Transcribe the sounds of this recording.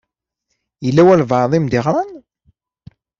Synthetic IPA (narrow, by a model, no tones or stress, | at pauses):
jəlːæwælvɑɾðˤimd̪iʁɾˤan